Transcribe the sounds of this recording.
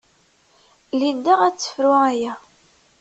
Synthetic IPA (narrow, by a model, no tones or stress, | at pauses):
lind̪aʁæt͡sːə̥fɾʊʁæjæ